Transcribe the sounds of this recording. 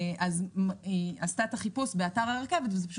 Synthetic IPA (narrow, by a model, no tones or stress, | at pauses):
ʔaz | ast̪at̪aχipusbe̞ataʁaleʁkevet̪vezepaʃu